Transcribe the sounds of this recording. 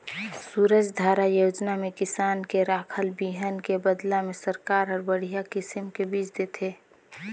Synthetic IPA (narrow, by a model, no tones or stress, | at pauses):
suːɾəd͡ʒd̪ʱaːɾajoːd͡ʒnamẽkɪsaːnkeɾaːkʰəlbiːɦənkebəd̪lamẽsəɾkaːɾɦəɾbəɽ̤ijakɪsɪmkebiːt͡ʃd̪eːt̪ʰe